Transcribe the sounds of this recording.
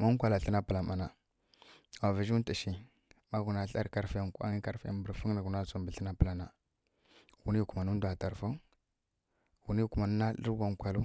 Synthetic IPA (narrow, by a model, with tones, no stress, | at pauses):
ma˦ŋ˦kʷa˨la˨ɬə˦na˦pə˨la˨ma˨na˨ | a˨vi˨ʒu˦n˦ti˨ʃi˨ | ma˦ɡu˨na˨ɬa˦ɾka˦ɾfi˦ja˨ŋka̰˦ŋi˦ka˦ɾfa̰˨bə˨ɾfu˦na˨ɡu˨na˦˨t͡su˨mbə˨ɬə˦na˦pə˨la˨na˨ | ɡu˨ni˦˨ku˨ma˨nu˦du˨a˨ta˨ɾfu˦ŋ | ɡu˨ni˦˨ku˨ma˨nu˦na˦lə̰˦ɾɡʷa˦ŋ˦kʷa˨lu˦